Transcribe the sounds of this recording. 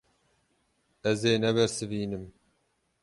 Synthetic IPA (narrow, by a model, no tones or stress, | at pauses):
ɛzeːnɛbɛɾsɨviːnɨm